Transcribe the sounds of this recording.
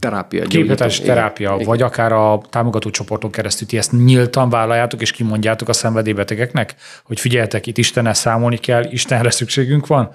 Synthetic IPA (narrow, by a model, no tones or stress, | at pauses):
t̪ɛɾa̰ːpijɒ̰keːphɒt̪aːʃi̥t̪ɛɾaːpijɒvɒɟɒkaːɾɒt̪aːmoɡɒt̪oːt͡ʃo̞po̞rt̪o̞ŋkɛɾɛst̪ylt̪iɛst̪ɲilt̪ɒɱvaːlɒjːaːt̪o̞keːʃkimo̞ɲɟaːt̪o̞kɒsɛɱvɛd̪eːbɛt̪ɛɡɛknɛk | ho̞cfiɟɛlhɛt̪ɛkit̪ːiʃt̪ɛnːɛlsaːmo̞lnikɛlːiʃt̪ɛnɾɛsykʃeːɡyŋkʋɒn